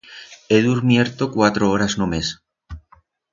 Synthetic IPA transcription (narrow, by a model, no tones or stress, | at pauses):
eðuɾmjeɾt̪okwat̪ɾooɾaznomes